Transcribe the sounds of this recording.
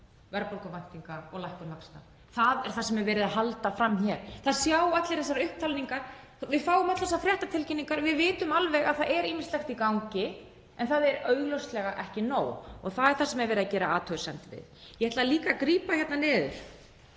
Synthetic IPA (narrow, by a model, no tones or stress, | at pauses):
vɛɾpɔlkɔvajn̥t̪iŋkaɔɣlajhkʏɾlakst̪a̰ | θaðɛɾ̥θasɛmɛɾvɛːɾɪðahalt̪afɾamːçɛːɾ̥θaðsjaːwat̪lɪɾ̥θɛsːaɾʏhp̚t̪ʰaːlniŋkaɾ̥ | vɪðfaːwʏmat̪lθɛsaɾfɾjɛht̪at̪ʰɪlcɪnːiŋkaɾvɪðvɪːt̪ʏmalvɛɣaðθaðɛɾiːmɪ̥slɛxt̪ikawŋcɪ | ɛnθaðɛɾœɥɣlowst̪lɛɣaʔɛhcɪnoːwɔɣθaðɛɾ̥θasɛmɛɾvɛːɾɪðacɛːɾaa̰ːt̪ʰœsɛnt̪vɪ̰ðjɛɛt̪laðaliːkakɾiːpaçjɛt̪nanɪːðʏ̰ɾ̥